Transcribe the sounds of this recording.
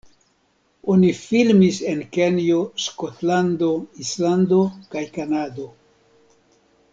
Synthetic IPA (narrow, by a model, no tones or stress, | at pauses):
onifilmise̞nke̞njoskotlando̞islando̞kajkanado̞